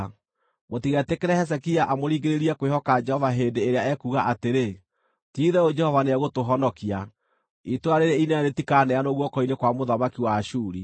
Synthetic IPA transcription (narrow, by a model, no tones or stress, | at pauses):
motiɣɛtekeɾɛhɛs̬ɛkiaʔamoɾiːɡeɾeɾiakwehɔkad͡ʒɛhɔvaɦeːndeːɾeaɛkuːɣaʔateɾe | tiːðɛod͡ʒɛhɔvaneɛɣotoɦɔnɔkia | itwaɾeɾeinanetikaːnɛanoɣwɔkɔinekwamoðamakiwaʃuːɾi